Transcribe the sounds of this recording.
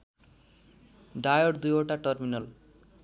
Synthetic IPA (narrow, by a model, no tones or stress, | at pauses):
ɖajoɾd̪ujoʈaʈʌrminʌl